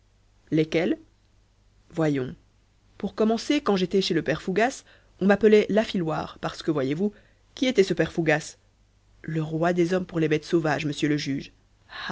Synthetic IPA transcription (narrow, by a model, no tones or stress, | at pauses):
lekɛl | vwajɔ̃ | puʁkɔmɑ̃sekɑ̃ʒet̪ɛʃeləpɛʁfuɡas | ɔ̃mapəlɛlafilwa̰ːʁpaʁsə̥kəvwajevu | kʲiet̪ɛsəpɛʁfuɡas | ləʁwad̪ezɔmpuʁlebɛt̪sovaʒməsjøləʒyːʒ